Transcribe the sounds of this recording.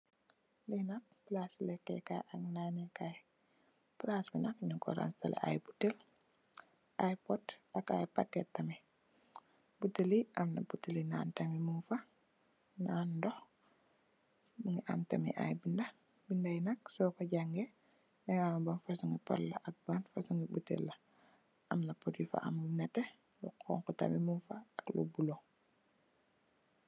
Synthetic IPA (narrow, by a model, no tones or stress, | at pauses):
linɐk̚plaslɛkːɛ̰ka̰ʔaŋnaːnɛkaj | plasbinakɲuŋkɔ̰ɾa̰nstalɛ̰ʔa̰jbutel | ʔajpɔdaka̰jpakːɛtːɐmɛ | butːeliʔamnabutːilina̰ːntɐmimuŋfa | naːndɔx | muŋiʔa̰mtamḭʔa̰jbinda | bindajinaksɔkɔɟaŋɡɛ | nɛŋaŋbanfasuŋipɔ̰lːaʔak̚banfasuŋibutḛlːa | amnapɔdifa̰ʔa̰munɛtɛ | lṵkʰɔ̰ŋkɔta̰mimunfaaklṵbulo